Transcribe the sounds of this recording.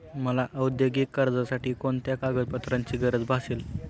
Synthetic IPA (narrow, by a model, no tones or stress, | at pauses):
məlaʔəwud̪joɡiːkːəɾd͡zasaʈiːkoɳt̪jakaɡəd̪̚pət̪ɾaɲt͡ɕiːɡəɾəd͡zbʱasiːl